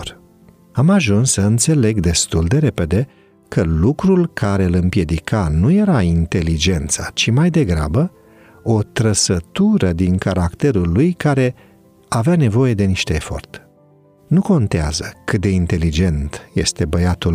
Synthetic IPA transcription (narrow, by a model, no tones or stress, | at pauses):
r | amaʒunsːəɨnt̪se̞le̞ɡd̪e̞st̪uld̪e̞ɾe̞pe̞d̪e̞ | kʰəlukɾulkʰaɾe̞ɨlɨmpje̞d̪ikʰanuje̞ɾaint̪e̞lid͡ʒe̞nt̪sat͡ʃimajd̪e̞ɡɾa̰bə | o̞t̪ɾəsət̪uɾəd̪iŋkaɾakt̪e̞ɾulːujkaɾe̞ | aveane̞vo̞je̞d̪e̞niʃt̪e̞ːfo̞̰rt̪ | nuko̞nt̪ea̰zəkɨt̪̚d̪e̞int̪e̞lid͡ʒe̞nt̪je̞st̪e̞bəjat̪ul